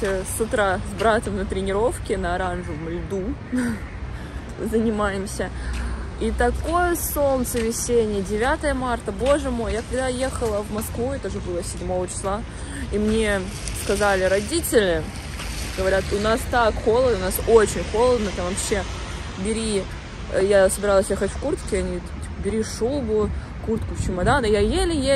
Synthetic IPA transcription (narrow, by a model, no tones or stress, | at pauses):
sʊt̪ɾazbɾat̪əmnət̪ɾʲɪnʲɪɾo̞fkʲɪnəɐɾanʐɨvmlʲd̪u | zənʲɪmajɪmsʲə | it̪ɐko̞jəso̞lt̪səvʲɪsʲenʲɪjədʲɪvʲat̪əjəmart̪əbo̞ʐɨmo̞jjakɐɡd̪aje̞xəlˠəvmɐskvuɛt̪əʐɨbɨlˠəsʲɪdʲmo̞vət͡ɕɪ̥slˠa | imnʲe̞ | skɐzalʲɪɾɐdʲitʲɪlʲɪ | ɡ̥əvɐɾʲat̪ʊnast̪akxo̞lˠəd̪əʊnasot͡ɕɪnʲxo̞lˠəd̪nət̪amvɐpɕːe̞ | bʲɪɾʲi | jasəbʲɪɾalˠəsʲje̞xətʲfkurt̪kʲɪɐnʲi | pəbʲɪɾʲiʂubʊ | kurt̪kʊft͡ɕʊmɐd̪anjajelʲɪje